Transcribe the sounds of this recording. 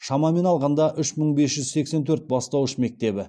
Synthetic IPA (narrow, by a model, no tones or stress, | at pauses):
ʃɑmɑme̞nɑlˠʁɑnd̪ɑʔʏʃməɴbe̞sʒ̥ʏzse̞kse̞nt̪ʰɵɾt̪̚bɑst̪ɑwəʃme̞k̚t̪e̞bɪ